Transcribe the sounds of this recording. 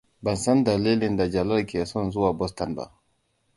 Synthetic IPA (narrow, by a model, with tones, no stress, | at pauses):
ba˨nsa˦nd̪a˨le˦li˦˨nda˨d͡ʒa˨la˦lki˨ɛ˨sɔ˦nzu˦wa˨bɔ˦st̪a˨nba̰˨